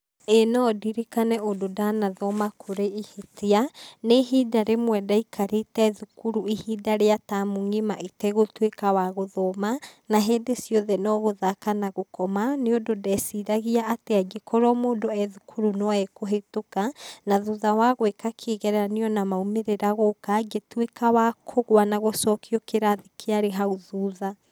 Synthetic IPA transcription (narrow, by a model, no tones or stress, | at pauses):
enɔdiɾekanɛododanaðɔmakʰoɾeihetʰeaneɦidaɾemwɛdaikʰaɾetɛðukuɾuihidaɾeatamuŋimaʔitɛɣotwekawaɣoðɔmanaɦeːndesjɔðɛnɔɣoðakanaɣokɔmaneondodɛsiɾaɣiaːtead͡ʒekʰɔɾɔmoːndoɛðukʰuɾunɔɛkoɦetokanaðuðawaɣwekakʰeːɣɛɾaneɔnamaumeɾeɾaɣokad͡ʒetwekawakʰoɣwanaɣosɔːkʰiɔkeɾaðekʰeaɾeɦauðuða